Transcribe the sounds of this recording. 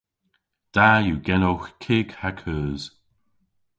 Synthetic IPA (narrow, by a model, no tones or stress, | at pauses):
d̪̥ajuɡɛnowxkʰɪːɡhakʰəːz̥